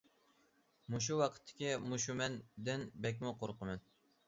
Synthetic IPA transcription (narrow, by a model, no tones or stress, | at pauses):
muʃ̬uwɑqʰə̥t̪ʰːɪ̥kʲimuʃ̬umɛnd̪ɪnbɛk̬ʲmʊqoɾqʰəmɛn